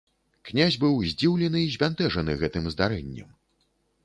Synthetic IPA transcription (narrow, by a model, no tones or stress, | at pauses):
knʲazʲbɨwzʲd͡zʲiwlʲɛnɨizʲvʲant̪ɛʐɐnɨɣɛt̪ɨmzd̪aɾɛnʲːɛ̰m